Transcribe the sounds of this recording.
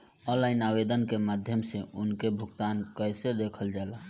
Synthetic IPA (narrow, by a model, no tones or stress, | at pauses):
ɔ̃nlainabed̪ənkemad̪ʱjəmseunkebʱuɡt̪ankəjsed̪ekʰəld͡ʒala